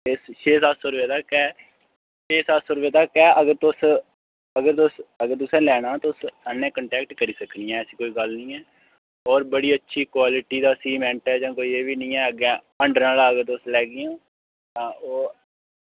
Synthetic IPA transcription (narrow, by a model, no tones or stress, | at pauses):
eːsʃeːsaːsoːɾʋeːt̪aːkɛː | ʃeːsaːsoːɾʋeːt̪aːkɛːʔəɡəɾt̪ʊs | əɡəɾt̪ʊsəɡəɾt̪ʊsɛ̃ːlɛːɽãːt̪osənːẽːkəɳʈɛːk̚ʈkəɾiːsəkniːãːsiːkoːiːɡəlnĩːɛː | ɔːɾbəɽiːətːʃʰiːkwaːlɪʈiːd̪aːsiːmɛ̃ɳʈɛːd͡ʒãːkoːiːeːʋiːnĩːɛːəɡɛ̃ː | əɳɖəɾaːlaːəɡəɾt̪ʊslɛːɡɪjãː | ãːoː